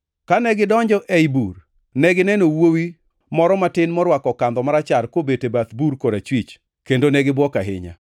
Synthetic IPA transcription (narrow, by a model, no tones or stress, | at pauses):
kanɛɡɪdɔɲd͡ʒɔʔɛjbur | nɛɡɪnɛnowowi | mɔɾɔmatɪnmɔɾwakɔkand̪ɔmaɾat͡ʃarkobetebat̪buɾkoɾat͡ʃwit͡ʃ | kendonɛɡɪbwɔkaɦɪ̰ɲa̰